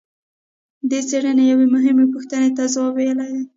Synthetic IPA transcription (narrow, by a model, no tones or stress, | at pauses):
d̪et͡seɽənejawemʊɦɪmepʊxt̪ənet̪azawɑbejəlaj